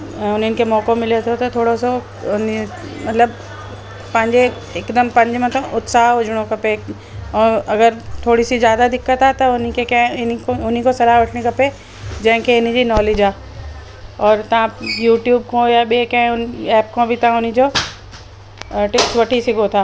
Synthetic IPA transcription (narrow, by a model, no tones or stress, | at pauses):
ʊneɪnkemɔːkomɪlet̪ʰot̪ot̪ʰoːɽoso | ʊnmɐt̪ləb | pɐ̃ɲd͡ʒe | ekd̪əmpɐ̃ɲd͡ʒmẽt̪ʰoʔʊt̪saːɦʊd͡ʒɽ̃okɐpe | ɔːɾɐɡəɾt̪ʰoːɽisizjaːd̪ad̪ɪkːət̪at̪ɐʊnikekɛ̃ɪnikʊnikosɐlaːʋɐʈʰnikɐpe | d͡ʒɐ̃ɦɪ̃keɪnid͡ʒinɔːled͡ʒaː | ɔːɾt̪ɐɦãjuːʈjuːb̚kõjabekɛ̃ʊnɛːp̚kõbʱit̪ɐãʊnĩd͡ʒoː | ʈɪksʋɐʈʰisiɡot̪ʰaː